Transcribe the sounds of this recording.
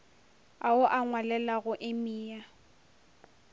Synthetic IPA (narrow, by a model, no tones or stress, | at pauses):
aʊʔaŋwalɛlaɣʊʔɪmiːa